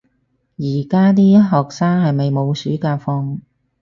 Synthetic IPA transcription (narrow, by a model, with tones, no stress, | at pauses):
jiː˨˩kaː˥t̪iː˥jɐ˥t̚ɦɔː˨k̚saː˥ŋhɐ˨jmɐ˨jmo˨˧wsyː˨˥kaː˧fɔː˧ŋ